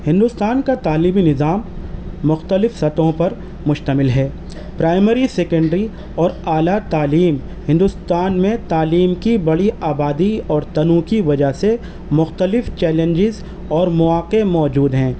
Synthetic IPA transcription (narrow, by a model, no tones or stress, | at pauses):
hɪ̃nd̪ʊst̪aːnkat̪aːlibinɪzaːmːʊxt̪əlɪfsɐt̪õpɐɾ | mʊʃt̪əmɪlɦɛː | pɾaːɪməɾiseːkə̃ɳɖɾi | ɔːɾaːlat̪aːliːm | hɪ̃nd̪ʊst̪aːnmẽt̪aːliːmkibɐɽiaːbaːd̪iɔːɾt̪ɐnũːkiʋɐd͡ʒaɦse | mʊxt̪əlɪft͡ʃɛːlə̃ɲd͡ʒɪz | ɔːɾmʊaːqemɔːd͡ʒuːd̪ɦɛ̃ː